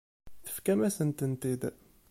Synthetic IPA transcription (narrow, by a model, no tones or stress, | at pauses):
θə̥fkæmæsənt̪ənt̪id̪